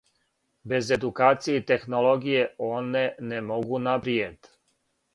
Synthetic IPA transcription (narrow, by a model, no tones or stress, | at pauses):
be̞ze̞d̪ukaːt̪sijet̪e̞xnoloɡijeoːnenemo̞ɡunapɾied̪